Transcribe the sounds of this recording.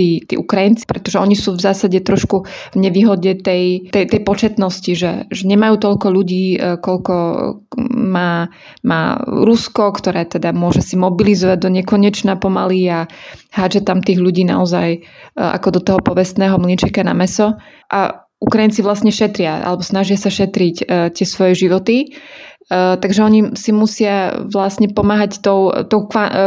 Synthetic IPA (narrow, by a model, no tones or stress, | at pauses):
t̪iːt̪ḭːʔukɾajint͡si̥pɾɛt̪ɔʒɛɔɲisuːvzaːsaɟɛt̪ɾɔʃkuvɲɛʋiːɦɔɟɛt̪ɛjt̪ɛjt̪ɛjpɔt͡ʃɛt̪nɔsciʒɛ̰ʒɛɲɛmajuːt̪ɔʎkɔʎuɟiːkɔʎkɔ | maː | ma̰ːɾuskɔkt̪ɔɾɛːt̪ɛd̪amʊɔʒɛsimɔbilizɔʋaɟ̚d̪ɔɲɛkɔɲɛt͡ʃnapɔmaliahad͡ʒɛt̪amt̪iːɣʎuɟiːna̰ɔzaj | ʔa̰kɔd̪ɔt̪ɔɦɔpɔʋɛst̪nɛːɦɔmlint͡ʃɛkana̰mɛsɔ | ʔa̰ | ukɾajint͡siʋlasɲɛʃɛt̪ɾɪaʔa̰lɛbɔsnaʒɪasaʃɛt̪ɾicːt̪ɪɛsʋɔjɛʒiʋɔt̪i | t̪aɡʒɛɔɲisimusɪaʋlasɲɛpɔmaːɦact̪ɔʊt̪ɔʊkʋa